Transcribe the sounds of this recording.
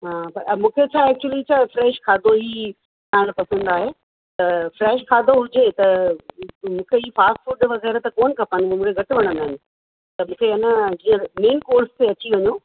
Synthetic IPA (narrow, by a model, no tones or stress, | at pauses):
ɦãːpɐɾɐmũːkʰet͡ɕʰaːɛːk̚t͡ɕuəlit͡ɕʰaːfɾɛːʃkʰaːd̪ʱoɦi | t̪aːɪ̃ɽ̃pɐsə̃n̆d̪aːɦe | t̪ɐfɾɛːʃkʰaːd̪ʱoɦʊd͡ʑet̪ɐ | mũːkʰeɦiːfaːsʈfuɖʋɐɣɛːɾt̪ɐkoːnkʰɐpənmũːkʰeɡʱɐʈɪʋɐɽ̃ə̃nd̪aːɦɪnɪ̆ | t̪ɐmũːkʰeɪnəd͡ʑĩːə̃meːnkoːɾst̪eɐt͡ɕiʋɐɲo